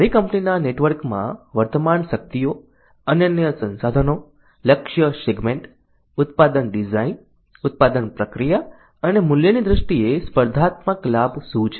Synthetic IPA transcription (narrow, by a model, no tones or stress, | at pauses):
əɾikəmpninaneʈʋəɾkmã̰ʋəɾt̪əmanʃək̚t̪ijo | ənjənjəsə̃nsad̪ʱəno | ləkʃjəʃeɡmẽɳʈ | ʊt̪pad̪ənɖizain | ʊt̪̚pad̪ənpɾəkɾija | ənemʊljənid̪ɾəʃʈiespəɾd̪ʱat̪məklabsũt͡ʃʰ